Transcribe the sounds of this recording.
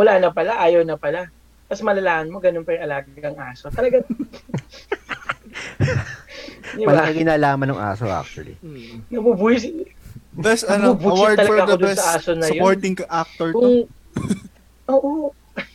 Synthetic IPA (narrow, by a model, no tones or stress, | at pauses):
mʊlaːnɐpɐlaʔaːjɐwnɐpɐla | mɐsmɐlɐlaːɐnmo̞ɡɐnonpɐjɪŋɐlaːɡɐɐŋaːsot̪ɐlɐɡaŋ | d̪ɪmɐlaaɡɪnaːlaːmɐnɐŋʔa̰ːsoʔa̰k̚t͡ʃʊwɐ̰lḭnɐbubujɪs | bɛsɐnbubuːwɹt̪ɐlɐɡaɐod̪sɐʔaːsonɐjooɹt̪ɪŋkʔak̚t̪oɹ | ʔoːʔo